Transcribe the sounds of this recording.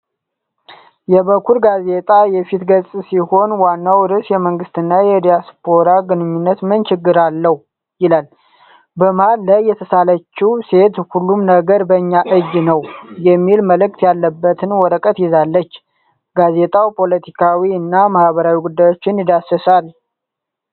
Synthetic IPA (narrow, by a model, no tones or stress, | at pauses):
jɛβəkʰːuɾɡaze̞t̪ʼajɛfit̪ɡəsʼsiho̞nwanːawɾɨsjɛməŋɡɨst̪ɨnːajɛd̪ijaspʰoɾaɡɨnɨɲːunːət̪mɨnt͡ʃɪɡːɨɾalːəh | jɪlal | bəmhalːajːɛt̪ʰəsalət͡ʃːiwse̞t̪hulːumnəɡəɾbəɲːaʔɨd͡ʒnəwjɛmːilməlɨk̚t̪ʰjalːəbːət̪ʰɨnwɔɾəkʼət̪jɪzalːət͡ʃː | ɡaze̞t̪ʼawpʰo̞lət̪ʰikʰawiɨnːamahbəɾawiɡud̪ːajo̞t͡ʃːɪnjɪd̪asːəsal